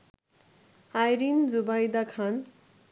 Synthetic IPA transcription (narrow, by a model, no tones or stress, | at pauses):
ajɾind͡zubajd̪akʰan